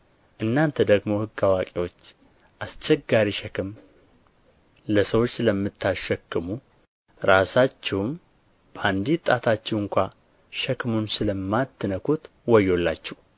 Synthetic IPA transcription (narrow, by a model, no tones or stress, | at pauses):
ʔɨnːant̪ʰəd̪əɡmo̞hɨɡːawakʼewo̞t͡ʃː | ʔast͡ʃːɛɡaɾiʃɛkʰɨm | ləsəwo̞t͡ʃːləmːɨt̪ːaʃɛkːɨmu | ɾasat͡ʃːɛwm | b̥əand̪it̪ʼːat̪ʰat͡ʃːɛwɨŋkʷa | ʃɛkʰɨmunsɨləmːat̪ːɨnəkʰut̪ | wɔjːo̞lːat͡ʃːɛh